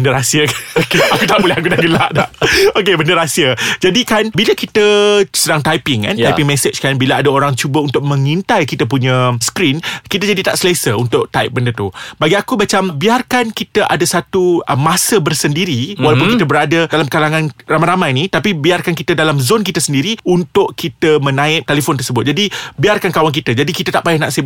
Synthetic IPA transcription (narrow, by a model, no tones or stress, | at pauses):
bəndəɾasiəkanakut̪aʔbolɛɦak̬udaɡəlaʔdaok̬ebəndəɾasiəd͡ʒadikanbiləkit̪əsədaŋt̪ajpɪŋka̰najpɪŋmɛ̃sət͡ʃkanbiləadaoɾaŋt͡ʃubəunt̪ʊk̚mə̃ŋint̪ajkit̪əp̬uɲə̃skɾinkit̪əd͡ʒadit̪aʔsəlesəunt̪ʊk̚t̪aɪ̰p̚bəndət̪ubaɡiakubat͡ʃambiarkankit̪əʔadasat̪uəmːãsəbərsəndiɾiwalawpʊnkit̪əbəɾadədalamkalaŋãnramãjɾamãjnĩt̪apibiarkankit̪ədalamzonkit̪əsəndiɾiunt̪ʊʔkit̪əmə̃nãɪp̚t̪elefɔnt̪ərsəbʊt̪̚d͡ʒadibiarkankawank̬it̪əd͡ʒadikit̪ət̪aʔpajɪhnaʔsəb